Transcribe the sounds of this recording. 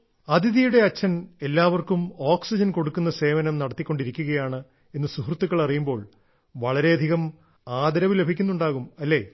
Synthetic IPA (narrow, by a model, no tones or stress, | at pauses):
ɐd̪ʱiðijuɽe̞ɐt͡ɕːɐne̞lːaːʋɐrkumoːksid͡ʑɐnko̞ɽukːunːɐse̞ːʋɐnɐmnɐɽɐt̪ːikʲːo̞ɳɖiɾikʲːuɣɐjaːɳɨ | e̞nːɨsuhrut̪ːukːɐɭɐrijumbo̞ːɭ | ʋɐɭɐɾe̞ɐd̪ʱiɣɐm | aːd̪ɐɾɐʋile̞bʱikʲːunːuɳɖaːɣumɐlːe̞ː